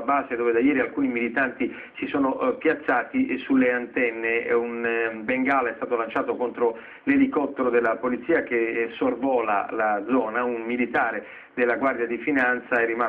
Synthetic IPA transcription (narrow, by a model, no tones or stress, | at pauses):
baːzed̪oːved̪ajɛːɾialkuːnimilit̪ant̪i | sisoːnoʔpjat̪sːaːt̪isulːeant̪ɛnːeunbeŋɡaːlaɛst̪aːt̪olant͡ʃaːt̪okont̪ɾo | lelikɔt̪ːeɾod̪elːapolit̪sːiːak̟esorvɔːla̰lad̪zɔːnaunmilit̪aːɾe | d̪elːaɡward̪jad̪ifinant̪saɛrːima